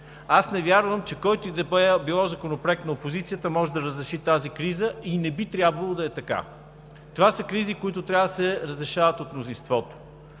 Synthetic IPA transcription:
asnɛvjaɾvəmt͡ʃɛkɔjt̪ʊid̪ɐbbilˠɔzɐkonopɾɛk̪nɐopozit̪sijət̪əmɔʒɛd̪ɐɾəzɾɛʃit̪azikɾizəinɛbit̪ɾʲabvəlˠod̪ɐɛt̪ɐka̰ | t̪ovasəkɾizikʊit̪ʊt̪ɾʲavəd̪ɐsɛɾəzɾɛʃavɐət̪ot̪mnʊzinst̪vɔt̪o̥

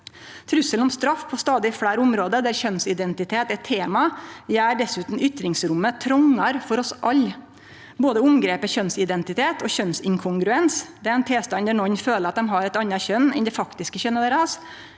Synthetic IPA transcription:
t̪ʰɾʉsəlɔmst̪ɾɑfpʰɔst̪ɑːd̪ɪfɽæːɾʊmɾoːd̪əd̪æɾçœnsɪd̪ɛnt̪ɪt̪ʰeːt̪ɛt̪ʰːeːmɑjæːɖɛsʉːt̪n̩ʏt̪ɾɪŋsɾʊmːət̪ʰɾɔŋːɑɾfɔɾɔsʔɑlː | boːd̪əʊmɡɾeːpəçœnsɪd̪ɛnt̪ɪt̪ʰeːt̪ɔçœnsɪŋkʰʊŋɡɾʉɛnsd̪ɛæɾɛnt̪ʰeːst̪ɑnd̪æɳɔɲːføːləɾɑt̪̚d̪ɛmɦɑɾɛt̪ɑnːɑçœnːɛ̰nd̪ɛfɑkt̪ɪskəçœnːəʋæɾɑs

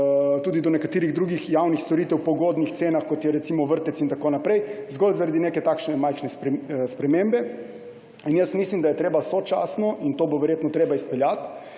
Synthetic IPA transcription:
t̪uːd̪id̪ɔnɛkat̪iːɾiɣd̪ɾuːɡixjawnixst̪oɾit̪ɛwpɔɡoːd̪nixt̪seːnaxkot̪jɛɾɛt̪simɔʋəɾt̪ɛsint̪akoːnapɾɛjzɡolzaɾad̪ineːkɛt̪aːkʃnɛmajxnɛspspɾɛmembɛ | injəsmislimd̪ajɛt̪ɾeːbasot͡ʃasnɔʔint̪oːboʋɛɾjeːt̪nɔt̪ɾeːbaispɛljat̪

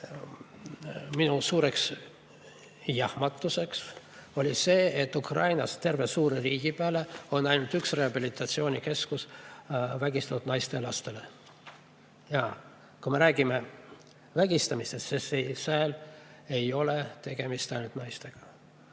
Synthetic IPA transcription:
minusuːɾe̞ks | jɑhmɑt̪ːˑuse̞ks | o̞lʲise̞ːet̪ːˑukrɑjnɑst̪e̞rvesuːɾeriːɡ̥ipeæːle̞o̞nːɑjnult̪yksre̞ɑbilit̪ːˑɑt̪sio̞ːnʲike̞skus | væɡist̪ɑt̪ud̪nɑjst̪e̞lɑst̪e̞le̞ | jɑ | kume̞ɾæːɡ̥ime̞ | væɡ̥ist̪ɑmist̪est̪sesesæːl | e̞jo̞le̞t̪e̞ɡ̥e̞mist̪ɑjnult̪nɑjst̪e̞ɡ̥ɑ̥

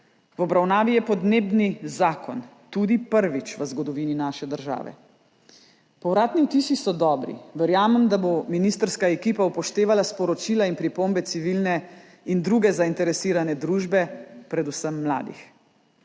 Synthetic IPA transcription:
wɔbɾawnaːʋijɛpɔd̪neːbnizaːkɔn | t̪ud̪ipəɾʋit͡ʃʋəzɡɔd̪ɔʋininaːʃɛd̪əɾʒa̰ːʋɛ̰ | pɔwɾaːt̪niut̪iːsisɔd̪ɔːbɾḭʋɛɾjaːmɛmd̪abominist̪əɾskaɛkipaupɔʃt̪eːʋalaspɔɾɔt͡ʃilainpɾipombɛt̪siʋilnɛ | ind̪ɾuɡɛzaint̪ɛɾɛsiːɾanɛd̪ɾuːʒbɛpɾɛd̪usəmːla̰ːd̪ḭx

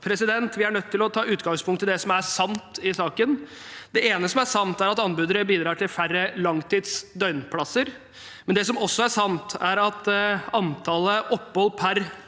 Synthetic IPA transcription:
pʰɾɛsɪd̪ɛnt̪ʋɪæɳœt̪ʰːɪlɔt̪ʰɑːʉːt̪ɡɑŋspʰʊŋkt̪ːɪld̪ɛsɔmæsɑnt̪ɪsɑːkən | d̪̥ɛeːnəsɔmæsɑnt̪æɾɑt̪ɑnbʉːd̪əɾəbiːd̪ɾɑːʈʰɪlfærːəlɑŋt̪ʰiːd̪sd̪œʏnpʰlɑsəɾ | mɛnd̪ɛsɔmɔsːɔæʂɑnt̪ʰæɾɑt̪ɑnt̪ʰɑːləʔɔpːhɔlːpʰæɾ

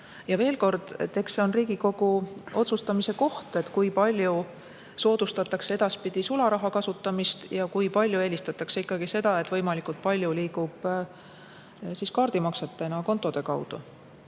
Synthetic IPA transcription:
jɑve̞ːlko̞rd̪̥t̪e̞kseo̞nriːɡ̥iko̞ɡ̥uo̞t̪sust̪ɑmise̞ko̞ht̪e̞t̪kujpɑlʲju | so̞ːd̪̥ust̪ɑt̪ːˑɑksee̞d̪̥ɑspid̪̥isulɑɾɑɦɑkɑsut̪ːˑɑmist̪jɑkujpɑlʲjue̞ːlʲist̪ɑt̪ːˑɑkseikːɑɡ̥ise̞d̪̥ɑe̞t̪ːvɤ̞jmɑlikˑult̪̚pɑlʲjuliːkub̥ | siskɑːrd̪̥imɑkse̞t̪ːˑenɑko̞nt̪ːˑo̞d̪̥e̞kɑwd̪̥ṵ

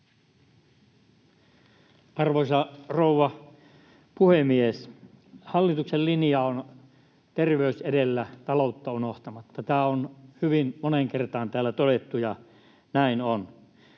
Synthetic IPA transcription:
ɑrʋosɑrouʋɑ | puhemies | hɑlːit̪uksellinjɑon | t̪erʋeysedelːæt̪ɑlout̪ːɑunoht̪ɑmɑt̪ːɑt̪æːonhyʋinmoneŋkert̪ɑːnt̪æːlːæt̪odet̪ːujɑ | næinon

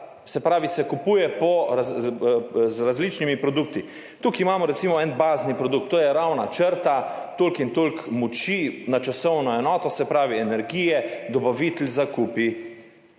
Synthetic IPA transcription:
sɛpɾaːʋisɛkupuːjɛpɔɾa | zɾazlit͡ʃnimipɾɔd̪uk̚t̪i | t̪ukimaːmɔɾɛt̪simɔɛnbaːznipɾɔd̪ukt̪ːoːjɛɾawnat͡ʃəɾt̪at̪olkint̪olkmɔt͡ʃinat͡ʃasɔwnɔɛnɔːt̪ɔsɛpɾaːʋiɛnɛɾɡiːjɛd̪ɔbaʋit̪lʲzakuːpi

